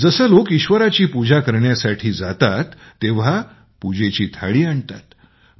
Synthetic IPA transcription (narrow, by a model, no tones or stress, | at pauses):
d͡zəsəːlokiɕʋəɾat͡ɕiːpud͡ʑʱakəɾɳjasaʈʰiːd͡zat̪at̪ː | eʋ̤a | pud͡ʑet͡ɕiːt̪ʰa̰ɭiːaɳt̪a̰t̪